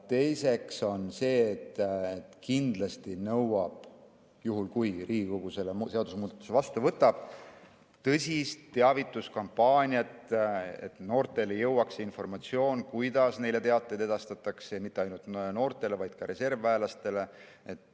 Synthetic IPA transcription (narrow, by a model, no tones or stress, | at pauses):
t̪e̞jse̞kso̞nse̞ːt̪ːet̪kind̪̥lɑst̪inɤwɑb̥ | juɦulkujriːɡikoɡ̥use̞lemse̞ɑd̪usmuːd̪̥ɑt̪ːˑu̥se̞vɑst̪uvɤt̪ːˑɑb̥̚ | t̪ɤsʲist̪ːe̞ɑvit̪ːˑuskɑmpːɑːnʲjɑt̪ḛt̪no̞ːrt̪ˑe̞lejɤwːɑkseinfo̞rmɑt̪sio̞ːnkujd̪̥ɑsne̞jle̞t̪e̞ɑt̪ːˑejd̪e̞d̪̥ɑst̪ɑt̪ːˑɑksemit̪ːˑe̞ɑjnult̪no̞ːrt̪ˑe̞le̞vɑjd̪̥kɑɾe̞se̞rvæːlɑst̪e̞le̞ | et̪ːˑ